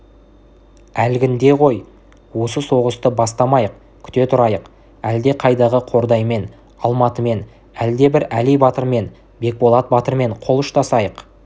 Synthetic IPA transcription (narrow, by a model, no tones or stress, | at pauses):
ælɡʲɪnd̪e̞ʁo̞j | wosəso̞ʁəst̪əbɑst̪ɑmɑjəq̚ | kʲʰʏ̥t̪e̞t̪ʰʊɾɑjəq | æld̪e̞qʰɑjd̪ɑʁəqʰo̞ɾd̪ɑjme̞n | ɑlˠmɑt̪əme̞n | æld̪e̞bɪɾælijbɑt̪əɾme̞n | be̞k̚bo̞lˠɑt̪̚bɑt̪əɾme̞ɴqʰo̞lˠʊʃt̪ɑsɑjəq